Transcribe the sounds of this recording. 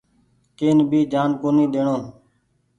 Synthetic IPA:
keːnbʱiːd͡ʒaːnkoːniːɗ̪eːɳõː

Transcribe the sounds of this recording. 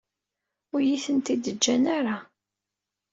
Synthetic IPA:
ʊɾjiθənt̪id̪əd͡ʒːænaɾa

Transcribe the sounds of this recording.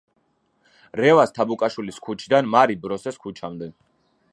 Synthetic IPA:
ɾɛvast̪ʰabukʼaʃwiliskʰut͡ʃʰd̪anmaɾibɾɔsɛskʰut͡ʃʰamd̪ɛ

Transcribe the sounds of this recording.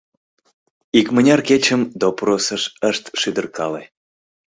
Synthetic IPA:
ikmənʲɑrket͡ɕəmd̪oprosəʃəʃt̪ʃyd̪ərkɑle

